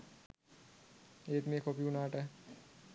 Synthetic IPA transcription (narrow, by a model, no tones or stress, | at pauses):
eːt̪meːkʰopiunaːʈɛː